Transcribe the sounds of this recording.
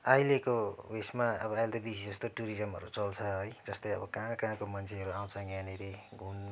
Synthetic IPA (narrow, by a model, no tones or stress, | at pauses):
ajlekowesmaʌbʌajlt̪ʌbisid͡zʌst̪oʈuɾid͡zʌmɦʌ̰ɾut͡sʌlt͡sʰʌɦʌjd͡zʌst̪ʌjʌ̰bʌkãkãkomʌnt͡sʰeɦʌɾuaw̃t͡sʰʌɡaneɾeɡʱun